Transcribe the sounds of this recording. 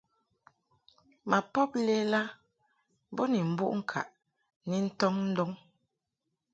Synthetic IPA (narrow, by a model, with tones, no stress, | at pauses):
ma˨pɔ˦p̚le˦la˦ | bɔ˦ni˨m̩˨˦bṵ˦ʔŋ̩˦kʰa̰˨ʔ | ni˦n̩˦tɔ˦ŋn̩˦dɔ˦ŋ